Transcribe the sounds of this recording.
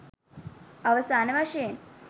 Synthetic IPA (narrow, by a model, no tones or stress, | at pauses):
aʋəsaːnəʋaʂəjen